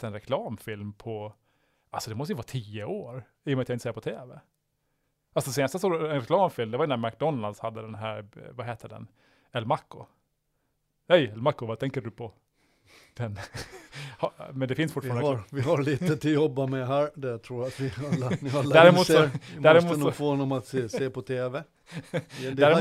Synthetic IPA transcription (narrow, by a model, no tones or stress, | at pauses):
t̪ɛnɾɛkʰlɑːmfɪlmpʰɔ | alsɔd̪ɛmɔst̪əjəvɑːt̪ʰiːəoːɾ | iːjɔmat̪jaɪnsːɾpɔt̪ʰeːvɛ | ʔalsɔd̪ɛseːnast̪əsɔɛnɾɛkʰlɑːmfɪlmd̪ɛvajɵnæɾmak̚d̪ɔnːald̪shad̪ːəd̪ɛnɦæːɾvaɦeːt̪ʰːəɖɛ̰n | ɛlːɾmakːʊ | ɛjɛlmakːʊvat̪ʰɛŋkəɖɵpʰɔ | d̪̥ɛn | hɑmɛnd̪ɛfɪnsfʊʈ̪ːfɑɾad̪vɪhaɭiːt̪ət̪ʰɪljɔbːamɛɦæːɾd̪ɛt̪ʰɾuːjat̪ʋɪalːanɪalːd̪æɾɪmuːt̪ssɔæɾɪmuːfoːhɔnːɔmat̪sseːpɔt̪ʰeːvɛ | d̪æɾ